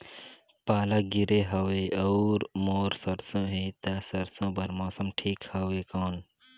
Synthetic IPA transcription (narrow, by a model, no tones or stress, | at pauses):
paːlaːɡiɾeɦɐʋeːɐːɾmoːɾsɐɾsõːɦeːt̪asɐɾsõːbɐɾmoːsəmʈʰiːkhɐweːkoːn